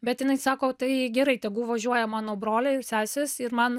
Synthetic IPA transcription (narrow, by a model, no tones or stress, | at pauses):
bʲɛt̪jɪnɐɪsɑːkoːt̪ɐɪɡʲɛɾɐɪt̪ʲɛɡʊʋɐʒʲuɔjɛmɑːnoːbɾoːlʲɛɪsʲæːsʲɛsɪɾmɐn